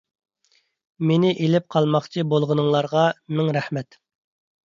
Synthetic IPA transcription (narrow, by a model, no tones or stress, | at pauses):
menɪʔelɪp̚qʰɑlˠmɑχt͡ʃʰibolˠʁənɨŋlˠɑɾʁɑmɪŋɾæhmɛt̪